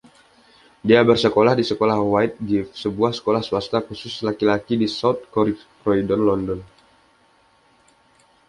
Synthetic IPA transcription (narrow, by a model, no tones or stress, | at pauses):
diabərsəkolahdisəkolahwaɪt̪̚ɡifsəbuahsə̥kolahsuast̪akusʊslakilakidisawt̪̚kɔɾi | rɔidɔnlɔndɔn